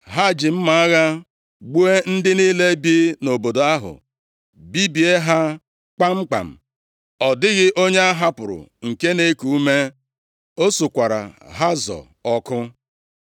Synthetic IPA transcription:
ɦa˦˨d͡ʒɪ˨m̩˦ma˨a˦ɣa˦ | ɡ͡bu˦e˦n̩˦dɪ˦niː˦le˦bi˦no˨bo˨do˨a˦ɦʊ̰˨ | bi˦bi˨e˦ɦa˦ | k͡pa˦ŋ͡m̩˦k͡pa̰˨m̩˨ | ɔ˨dɪ˦ɣɪ˦ʔo˦ɲe˦a˦ɦa˦pʊ˨ɾʊ̰˨ŋ̩˨ke˦ne˦ku˨u˦me˦ | o˦su˨kʷa˨ɾa̰˨ɦa˦zɔ̰˨ | ɔ˦kʊ˦

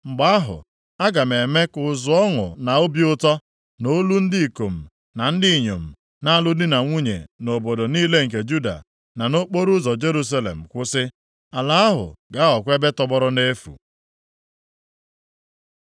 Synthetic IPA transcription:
ŋ͡m̩˨ɡ͡ba˦a˦ɦʊ̰˨ | a˦ɡa˨me˨me˦kʊ˨zʊ˨ɔ˦ŋʊ̰˨na˨o˦bjʊ˦tɔ˦ | no˦lu˦n̩˦dɪ˦i˨ko˨m̩˨ | na˨n̩˦dɪ˦i˨ɲo̰˨m̩˨ | na˦a˦lʊ˦dɪ˦na˨ŋʷu˦ɲḛ˨no˨bo˨do˨niː˦le˦ŋ̩˨k̬e˨d͡ʒu˦da̰˨ | na˨no˦k͡po˦ɾʊ˦zɔ˨d͡ʒe˦ɾu˦s̬a˦lḛ˨m̩˨kʷʊ˦sɪ˦ | a˨la˦a˦ɦʊ̰˨ɡa˦ɔ˨kʷe˦be˦tɔ˦bɔ˦ɾɔ˦ne˦fṵ˨

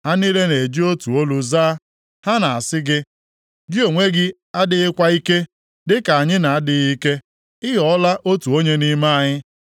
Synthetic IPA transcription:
ha˦ni˦le˦ne˨d͡ʒi˦o˦tu˨o˦lu˨zaː˦ | ha˦na˨a˨sɪ˦ɡɪ˦ | d͡ʒi˦o˨ŋʷe˦ɡɪ˦ | a˦dɪ˦ɪ˦kʷa˦i˦ke˦ | dɪ˦ka˨a˨ɲɪ˦na˨a˦dɪ˨ɣi˦ke˦ | ɪ˦ɦɔ˨ɔ˦la˦ʔo˦tu˨o˦ɲe˦ni˦ma˦a˨ɲɪ˦

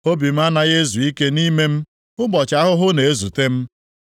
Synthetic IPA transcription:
o˦bi˨m̩˦a˦na˦ɣe˦zu˨i˦ke˦ni˦me˦m̩˦ | ʊ˦ɡ͡bɔ˨t͡ʃa˦ɦʊ˦ɦʊ˦ne˨e˦zu˨te˦m̩˦

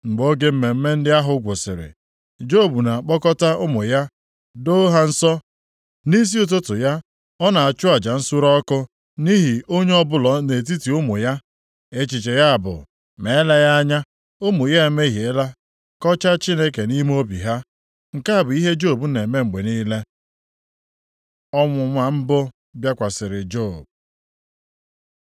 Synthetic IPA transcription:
ŋ͡m̩˨ɡ͡bo˦ɡe˦m̩˦me˨m̩˦me˦n̩˦dɪ˦a˦ɦʊ˨˦ɡʷʊ˨sɪ̰˨ɾɪ̰˨ | d͡ʒo˦˨bu˨na˨k͡pɔ˦kɔ˦ta˦ʔʊ˦mʊ˨ja˦ | do˦ɦa˦n̩˦sɔ˦ | ni˦s̬i˦ʊ˦t̬ʊ˦tʊ˨ja˦ | ɔ˦na˨a˨t͡ʃʊ˦a˨d͡ʒa˨n̩˦su˦ɾɔ˦kʊ˦ | ni˦ɦi˨o˦ɲe˦ɔ˦bʊ˦lɔ˨ne˨t̬i˦ti˨ʊ˦mʊ̰˨ja˦ | e˦t͡ʃi˨t͡ʃe˨ja˦a˨bʊ̰˨ | me˨˦la˦ja˦a˦ɲa˦ | o˦mʊ˨ja˦e˨˦me˦ɦi˨e˦la˦ | kɔ˦t͡ʃa˦t͡ʃi˦ne˦k̬e˨ni˦m˦o˦bḭ˨ɦa˦ | ŋ̩˨ka˦a˨bʊ˨i˦ɦe˦d͡ʒo˦˨bu˦ne˨me˦ŋ͡m̩˨ɡ͡be˨niː˦le˦ | ɔ˦ŋʷʊ˨ŋʷa˨m̩˦bʊ˦ | bja˦kʷa˨sɪ˨ɾɪ˨d͡ʒo˦˨b̚

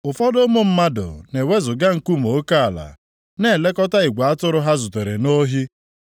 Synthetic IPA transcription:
ʊ˨fɔ˦dʊ˦mo˦m̩˦ma˦dʊ̰˨ne˨we˦zʊ˨ɡa˦ŋ̩˨ku˦mo˨˦ka˦a˨la̰˨ | ne˦˨le˦kɔ˦ta˦i˨ɡʷa˨a˦tʊ˦ɾʊ˦ɦa˦zʊ˨te˨ɾḛ˨no˦ɦi˦

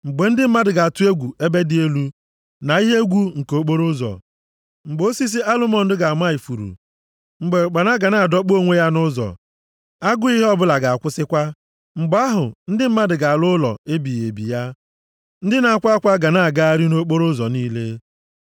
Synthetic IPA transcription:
ŋ͡m̩˨ɡ͡be˨n̩˦dɪ˦m̩˦ma˦dɪ˨ɡa˨tʊ˦e˦ɡʷu˨e˦be˦dɪ˦e˦lu˦ | na˨i˦ɦe˦ɡʷu˦ŋ̩˨ko˦k͡po˦ɾʊ˦zɔ̰˨ | ŋ͡m̩˨ɡ͡bo˦si˦s̬i˦ʔa˦lʊ˦mɔ˨n̩˦dɪ˦ɡa˨ma˦i˨fu˨ɾṵ˨ | ŋ͡m̩˨ɡ͡be˨k͡pa˨na˦ɡa˨na˨dɔ˦k͡po˦ŋʷe˦ja˦nʊ˦zɔ̰˨ | a˦ɡʊ˦i˦ɦe˦ɔ˦bʊ˦la˨ɡa˨a˨kʷʊ˦sɪ˦kʷa˦ | ŋ͡m̩˨ɡ͡ba˦ɦʊ̰˨n̩˦dɪ˦m̩˦ma˦dɪ˨ɡa˨a˨lʊ˦lɔ̰˨e˦bi˨je˨bḭ˨ja˦ | n̩˦dɪ˦na˨a˨kʷa˦kʷa˦ɡa˨na˦˨a˨ɡa˦a˦ɾi˦no˦k͡po˦ɾʊ˦zɔ˨niː˦le˦

